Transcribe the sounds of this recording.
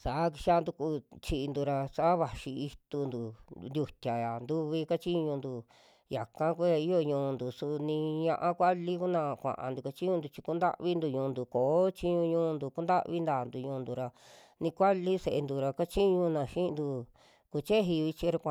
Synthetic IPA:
sa˨˦k̬i˧ʃa˦˧nd̪u˧ku˧˦t͡ʃi˧nd̪u˧ɾa˧sa˦βa˨ʃi˧i˧t̪u˧nd̪u˨nd̪ʲu˧t̪ʲa˨a˨nd̪u˦βi˧ka˦t͡ʃi˦ɲũ˧nd̪u˧ | ja˨kã˦ku˦a˧i˦jo˧ɲũː˧nd̪u˨su˧nĩ˧ɲã˧ʔã˧kʷa˦li˦ku˦nã˧kʷã̰˨ʔã̰˧nd̪u˨ka˧t͡ʃi˦ɲũ˧nd̪u˧t͡ʃi˧ku˦nd̪a̰˦ʔβi˦nd̪u˧ɲũː˧nd̪u˨koː˨˦t͡ʃi˦ɲũ˧ɲũː˦˧nd̪u˧ku˦nd̪a˦ʔβi˦nd̪aː˨nd̪u˨ɲũ˧nd̪u˨ɾa˧ | nĩ˧kʷa˦li˦se˧˨e˧nd̪u˧ɾa˧ka˦t͡ʃi˦ɲũ˧nã˧˨ʃĩ˦˧nd̪u˧ | ku˧t͡ʃe˦ɦi˧βi˧t͡ʃi˧˦ɾa˧kʷã˧

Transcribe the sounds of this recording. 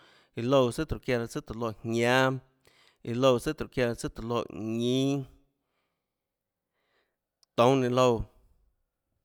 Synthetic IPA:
i˨lo˧wsə˦t̪ɾu˨kja˧la˧˨t͡sɨ˦t̪o˨lo˧˨hɲã˦ | i˧lo˧wsə˦t̪ɾu˨kja˧la˧t͡sə˦t̪o˨lo˧˨ʔɲĩ˦ | t̪õ˨˦nẽ˧lo˧w

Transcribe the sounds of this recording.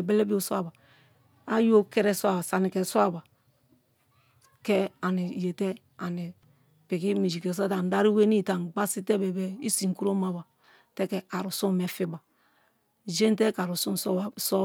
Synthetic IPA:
bɛ˦lɛ˦bi˦o˦so˦a˦˨ba˨ | a˦jo˦kɛ˦ɾɛ˦so˦a˨ba˨sa˨ni˨kɛ˨so˦a˦˨ba˨ | kɛ˦a˨ni˨je˨tɛ˦ | a˨ni˨ | pi˨ki˦mi˨d͡ʒi˨ke˨so˦ta˨n˨da˦ɾi˦we˦ni˦˨ta˨nɡ͡ba˦si˦tɛ˦bɛ˨bɛ˦i˦si˨ŋ˨ku˦ɾo˦ma˦ba˨ | tɛ˦kɛ˨a˨ɾu˨su˦mɛ˨fi˦ba˨ | d͡ʒe˦n˦te˦ka˨ɾu˨su˦nsso˦

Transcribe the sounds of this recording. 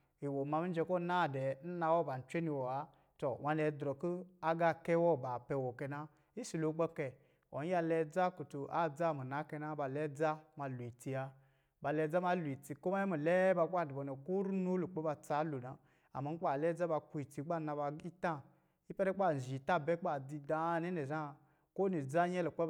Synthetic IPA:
i˨wo˨ma˧mi˦d͡ʒɛ˧kɔ˦na˦˨dɛ˨n̩˦na˧wɔ˦ba˨n̩˨t͡ʃʷe˦ni˧wɔ˨a˨ | to˨wa˧nɛ˧˦dɾɔ˨ku˦a˦ɡa˧kɛ˦wɔ˦˨ba˨pɛ˧wɔ˨kɛ˧na˦ | i˦si˨lo˨˦ɡ͡bɔ˦kɛ˧ | ɔ̰˨n̩˦a˧lɛ˧d͡za˦ku˨tu˧ʔa̰˦d͡za˦˨mi˨na˨˦kɛ˧na˦ba˧lɛ˦d͡za˦ma˧lu˨i˨ti˧a˧ | ba˧˨lɛ˧˦d͡za˦ma˧˦lu˨i˨ti˧ko˦ma˦jɛ˦mi˨lɛ˦ba˧k͡pa˦˨di˨bɔ˨nɛ˨ko˦ɾu˦no˦lu˨k͡pe˦ba˧t͡sa˨˦lu˨na˨ | a̰˨ma˧˦k͡pa˨lɛ˦d͡za˦ba˧ku˧i˨ti˧˦ɡ͡ba˦˨na˧ba˧i˦ta˦ | i˦pɛ˦ɾɛ˦k͡pa˦˨ʒi˨ta˦˨bɛ˦k͡pa˨di˧da˧˨˦nɛ˦nɛ˨za˦˨ | ko˦ni˨d͡za˦ɲɛ˦lo˨k͡pe˦

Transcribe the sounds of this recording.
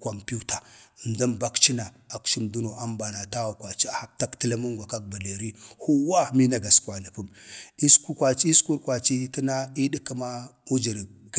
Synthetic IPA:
ko˨mpu˦ta˨n˨da˦mba˦kt͡ʃi˦na˨ | a˨kʃi˦mdu˦no˨ʔa˦mba˨na˨ta˦wa˨kwa˨t͡ʃi˦a˨ha˨ta˦ktə˦la˦mu˦ŋɡʷa˨ka˦k̚ba˨le˨ɾi˦hu˦wa˦mi˦na˦ɡa˨skwa˨na˨pu˦mi˦sku˦kʷa˨t͡ʃi˦sku˦ɾkwa˨t͡ʃi˦ti˦na˦i˦di˦ki˦ma˦u˦d͡ʒi˨ɾ

